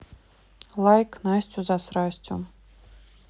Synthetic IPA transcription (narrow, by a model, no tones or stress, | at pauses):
lˠajknasʲt͡sʲuzasɾasʲt͡sʲʊ̰